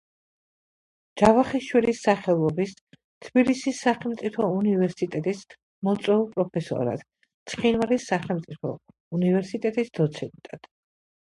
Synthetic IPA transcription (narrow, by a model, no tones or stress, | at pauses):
d͡ʒavaχiʃwilisːaχɛlˠɔbis | t̪ʰbilisisːaχɛlˠmt̪sʼipʰɔunivɛɾsit̪ʼɛt̪ʼis | mɔt̪sʼwɛulˠpʼɾɔpʰɛsɔ̰ɾa̰d̪̥ | t̪sʰχinvaɾisːaχɛlˠmt̪sʼipʰɔ̰ | univɛɾsit̪ʼɛt̪ʼisd̪̥ɔt̪sʰɛnt̪ʼad̪̥